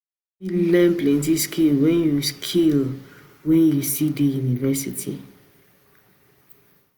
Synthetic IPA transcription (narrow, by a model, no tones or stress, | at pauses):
ilɛ̃nplɛ̃nt̬iskilwɛ̃njuskʰil | wɛ̃njusidejunivɛsḭtʰḭ